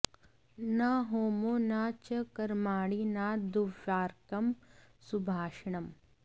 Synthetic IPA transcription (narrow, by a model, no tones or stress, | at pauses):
nɐɦoːmonaːt͡ʃɐkɐɾmaːɽinaːd̪uʋjaːɾkɐmsubʱaːʃɳɐm